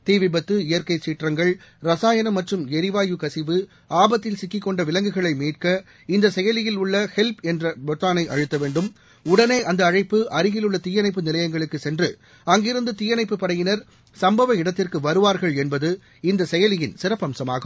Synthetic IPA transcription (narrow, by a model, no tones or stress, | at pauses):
t̪iːʋɪbɐt̪ːɯɪjɐɾkɐɪt͡ʃːiːʈrɐŋɡɐɭɾɐsaːjɐnɐmːɐʈrɯmɛɾɪʋaːjɯkɐsɪʋɯ | aːbɐt̪ːɪlsɪkːɪkːɔɳɖɐʋɪlɐŋɡɯɣɐɭɐɪmiːʈ̚kɐ | ɪnd̪ɐsɛjɐlɪjɪlʊɭːɐhɛlpɛndrɐbɐt̪ːaːnɐɪʔɐɻɯt̪ːɐʋeːɳɖɯm | ʊɽɐneːʔɐnd̪ɐːɻɐɪpːɯʔɐɾɯɣɪlɯɭːɐt̪iːjɐnɐɪpːɯnɪlɐjɐŋɡɐɭɯkːɯsɛndrɯ | ɐŋɡɪɾɯnd̪ɯt̪iːjɐnɐɪpːɯpɐɽɐjɪnɐɾ | sɐmbɐʋɐɪɽɐt̪ːɪrkɯʋɐɾɯʋaːɾɣɐɭɛnbɐðɯ | ɪnd̪ɐsɛjɐlɪjɪnsɪɾɐpːɐmsɐma̰ːɣɯm